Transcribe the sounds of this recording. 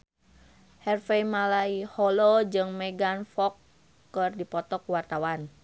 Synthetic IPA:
hɛrfɛjmalaihɔlɔd͡ʒɨŋmɛɡanfɔkː | ɨrdipɔt̪ɔkuwart̪awan

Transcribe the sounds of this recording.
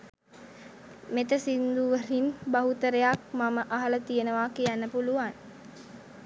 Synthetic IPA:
met̪əsind̪uʋəɾinbaɦut̪əɾejak̚maməʔaɦɐlət̪ijənəʋaːkijænːəpuluʋan

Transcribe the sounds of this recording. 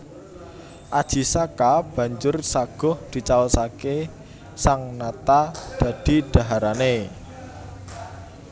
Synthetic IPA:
ʔad̥ʒ̥i̤sakab̥a̤ɲd͡ʒʊrsaɡ̥ɔ̤hd̪̥i̤t͡ʃaosake | saŋnat̪ad̪̥ä̤d̪̥i̤ɖ̪̥a̤ɦaɾane

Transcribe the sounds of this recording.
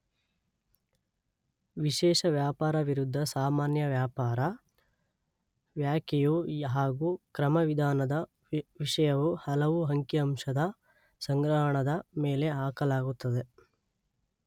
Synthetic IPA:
ʋiʃɛːʂɐʋjaːpaːɾɐʋiɾud̪ʱːɐsaːmaːnjɐʋjaːpaːɾɐ | ʋjaːkɛjuɦaːɡukɾɐmɐʋid̪ʱaːnɐd̪ɐ | ʋiʂɐjɐʋuhɐlɐʋuɦɐŋkjɐɐmʂɐd̪ɐ | sɐŋɡɾɐɦɐɳɐd̪ɐmeːle̞aːkɐlaːɡut̪ːɐd̪e̞

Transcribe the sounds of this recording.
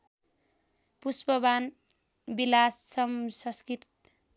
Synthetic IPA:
puspʌban | bilasːʌmsʌskit̪

